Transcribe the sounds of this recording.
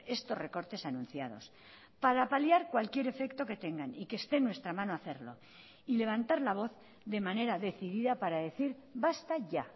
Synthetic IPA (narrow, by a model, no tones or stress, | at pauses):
e̞st̪o̞sre̞ko̞ɾt̪e̞sanũnθjað̞o̞̰s | paɾapaljaɾkwalkje̞ɾe̞fe̞kt̪o̞ke̞t̪e̞ŋɡanikest̪e̞nːwe̞st̪ɾamãnoaθe̞ɾlo̞̰ | ile̞β̞ant̪aɾlaβ̞o̞θ | ðe̞mane̞ɾaðe̞θiðiðapaɾaðe̞θiɾ | bast̪aʝa